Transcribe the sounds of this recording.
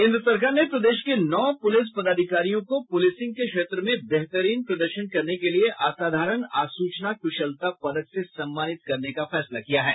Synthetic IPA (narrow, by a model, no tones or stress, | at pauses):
ɪ̃nd̪ɾəsɐɾkaːɾnepɾɐd̪eːʃkenɔːpʊlɪs̬pɐd̪aːd̪ʱɪkaːɾijõkopʊlɪsɪ̃ŋɡ̚kekʃeːt̪ɾəmẽbɛɦt̪əɾiːnpɾɐd̪əɾʃənkɐɾnekelieʔaːsaːd̪ʱaːɾənaːsuːt͡ʃnakʊʃəlt̪apɐd̪əksesɐ̃mːaːnɪt̪̚kɐɾnekafɛːslakijaɦɛ̰ː